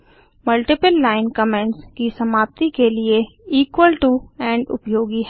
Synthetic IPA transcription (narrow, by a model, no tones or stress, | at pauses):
mɐlʈɪpəlːaːɪnkəmɛ̃ːɳʈskisɐmaːp̚t̪ikelie | iːkwəlʈuɛ̃ːɳɖʊ̰pjoːɡiɦɛː